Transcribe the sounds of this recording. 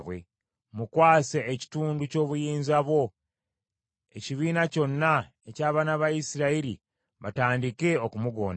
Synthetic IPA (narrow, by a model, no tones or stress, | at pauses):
βwe̞̰ | mukwaːseːci̥tuːnduco̞ːβujiːnzaβwo̞ | e̞ciβiːnaco̞nːa | ecaːβaːnaβajisiɾaiɾḭ | βataːndike̞okumuɡo̞̰ːn